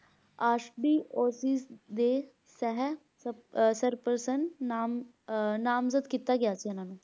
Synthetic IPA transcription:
aːʃɖiːoːsiːsd̪e | sɛɦɛ | səɾpəɾsənam | naːmzəd̪kit̪aɡɪjaːt͡ʃiɛnaːnũː

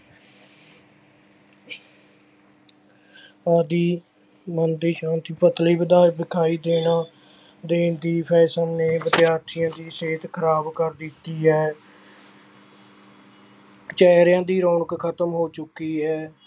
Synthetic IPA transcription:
aːd̪iː | mənd̪iːʃãːnt̪ʰiːpət̪liːbəd̪aːbɪkʰaːiːd̪eːnãː | d̪eːnd̪iːpʰɛːsəlneːbət̪ɪjaːɾt̪ʰɪjãːd̪iːseːt̪kʰəɾaːbkəɾd̪ɪt̪ːiːɦɛː | t͡ʃɛːɾjãːd̪iːɾoːɳəkkʰət̪əmɦoːt͡ʃʊkːiːɦɛː

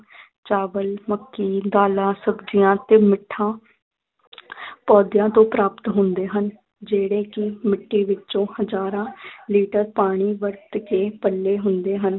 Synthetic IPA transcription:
t͡ʃaːʋəlməkːiːd̪aːlãːsəɡd͡ʒɪjãːt̪eːmɪʈʰːãː | pɔːd̪jãːt̪õːpɾaːpət̪ɦʊnd̪eːɦən | d͡ʒeːɽeːkɪmɪʈʰːiːʋɪt͡ʃõːhəd͡ʒaːɾãːliːʈəɾpaːɽ̃iːʋəɾt̪keːpəlːeːɦʊnd̪eːɦən

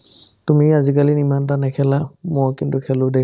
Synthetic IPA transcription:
tumiazik̬alinimantanɛkʰɛlamɔkintʊkʰɛlʊdɛk

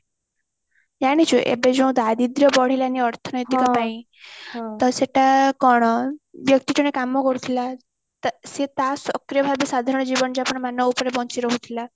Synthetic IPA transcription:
jaɽ̃it͡ʃʰuʔḛbed͡zũw̃d̪ad̪id̪jɔbɔɽ̤ilaniɔɾt̪ʰɔnɔjt̪ikɔpaĩ | t̪ɔseʈakɔɽ̃ɔbjʌk̚t̪iʈiɽ̃ẽkamɔkɔɾut̪ʰila | t̪set̪asɔkɾijɔbʱabjɔsad̪ʱaɾɔɽ̃ɔd͡ʑibɔnd͡ʒapɔɳ̃manɔupɾebɔnt͡siɾɔɦut̪ʰila

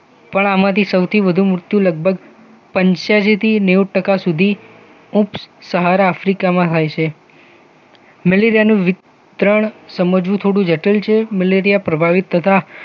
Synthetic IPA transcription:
pəɳamãt̪ʰisəwt̪ʰiʋəd̪ʱũmɾʊt̪jũləɡ̚bʱəɡ | pəɲʃad͡ʒit̪ʰinewʈəkasud̪ʱi | upssəɦaɾaːfɾikamãt̪ʰajt͡ʃʰe | məleɾijanũʋɪt̪ | ɾəɳ̃səməd͡ʒʋũt̪ʰoɽũd͡ʒəʈəlt͡ʃʰemeleɾijapɾəbʱaʋit̪ʰːət̪ʰa

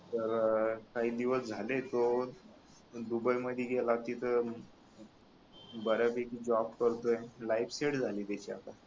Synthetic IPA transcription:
t̪əɾkaɦiːd̪iʋəsd͡zʱalet̪o | d̪ubajməd̪ʱjeɡelat̪it̪ʰə | bəɾabekid͡ʑɔbkəɾt̪ojelaifseʈd͡zʱaliːt̪at͡ɕia̰t̪a

